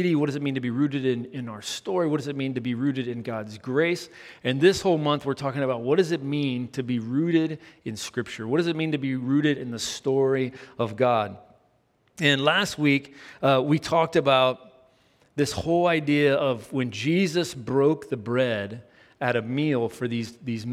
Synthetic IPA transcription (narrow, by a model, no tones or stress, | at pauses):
ɾiwʌt̚d̥ʌzɨt̚mĩntɨbiɹʉɾɨɾɪ̃nɪ̃naʊə˞stɔɹiwʌt̚d̥ʌzɨt̚mĩntɨbiɹʉɾɨɾɨ̃nɡɑdzɡɹeɪs | ɨ̃nðɪshoʊlˠmʌ̃nθwəɹtʰɔkɪ̃ŋɨbaʊt̚wʌt̚d̥ʌzɨt̚mĩntʰɨbiɹʉɾɪɾɨ̃nskɹɪp̚t͡ʃə˞wʌt̚d̥ʌzɨt̚mĩntɨbiɹʉɾɨɾɨ̃nðɨstɔɹiʌvɡɑd̚ | ɨ̃nlæst̚wikwitʰɔk̚tɨbaʊt̪̚ | ðɪshoʊlˠaɪdiɨʌvwɨ̃nd͡ʒizɨsbɹoʊk̚ðɨbɹɛɾ | ɨɾɨmilˠfə˞ðizðiz